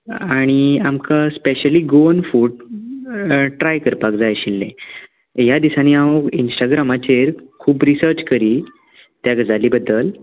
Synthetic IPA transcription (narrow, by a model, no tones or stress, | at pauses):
aɽ̃iamkaspeɕəliːɡonfuːɽ | ʈɾajkəɾpakd͡zajɕilːḛ̃ | jad̪isaniaʋoinsʈaɡɾamat͡ɕeɾkʰuːbɾisəɾt͡ɕkəɾiː | t̪jaɡd͡zʱaliːbəd̪ːəl